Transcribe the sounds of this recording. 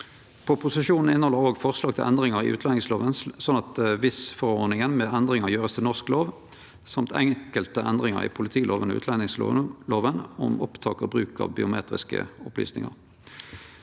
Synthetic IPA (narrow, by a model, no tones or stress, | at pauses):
pʰɔpʰʊsɪʃuːnn̩ɪnhɔlːəʁoːɡfɔʁslɑːɡt̪ʰɪlʔɛnd̪ʁɪŋəʁɪ̰ʔʉ̰ːt̪lɛnɪŋsloːʋənsɔnɑt̪ʋɪsfɔʁoʁnɪŋənmeːɛnd̪ʁɪŋəʁjøːʁəst̪ʰɪlnɔʁskloːʋ | sɑmt̪ʰɛ̰ŋkəlt̪əʔɛnd̪ʁɪŋɑ̰ʁɪ̰ːpʰʊlɪt̪ʰiːlʔoːʋən̰ʉ̰ːt̪ʰlɛnɪŋsloːʋənɔmɔpt̪ʰɑːkɔbʁʉːkɑ̰ːʋbɪ̰ʊmḛːt̪ʁɪ̰skə̰ʊply̰ːsnɪ̰ŋɑ̰ʁ